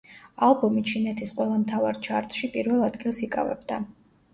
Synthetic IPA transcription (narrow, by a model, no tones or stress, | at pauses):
alˠbɔmit͡ʃʰinɛt̪ʰisqʼwɛlˠamt̪ʰavaɾt͡ʃʰaɾt̪ʼʃipʼiɾvɛlˠad̪ɡilˠsikʼa̰vɛ̰bd̪a